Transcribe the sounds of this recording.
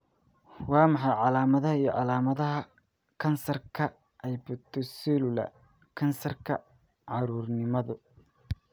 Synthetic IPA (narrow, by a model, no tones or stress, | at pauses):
wɑːmɑħɑjʕɑlaːmɐðɐɦɐijɔ̰ʕɑlaːmɐðɐɦɐ | kʰɐnsɐrkʰɐ | ʔɛjbʊt̪ʰɔsilʊlɐ̰ | kʰɐnsɐrkʰɐ | ʕɑɾuːrnɪmɐðʊ